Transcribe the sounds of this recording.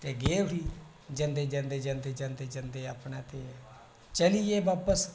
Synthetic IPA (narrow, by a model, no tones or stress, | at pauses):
t̪eːɡeːʋɦiː | d͡ʒə̃nd̪eːd͡ʒə̃nd̪eːd͡ʒə̃nd̪eːd͡ʒənd̪eːd͡ʒənd̪eapɳaːt̪e | t͡ʃəlieːbaːpəs